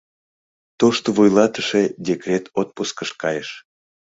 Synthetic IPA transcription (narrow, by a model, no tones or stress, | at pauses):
t̪oʃt̪oβujlɑt̪əʃedʲekrʲet̪ot̪̚puskəʃkɑjəʃ